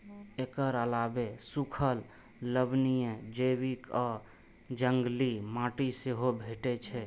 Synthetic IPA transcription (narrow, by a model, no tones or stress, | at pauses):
ekəɾəlaːbesukʰəl | ləbnijə̃d͡ʒebikɔː | d͡ʒəŋɡlimãːʈiseɦobʱeʈet͡ʃʰɛ